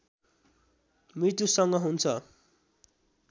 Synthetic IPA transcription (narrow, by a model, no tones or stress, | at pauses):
mrit̪usʌŋɡʌɦunt͡sʰʌ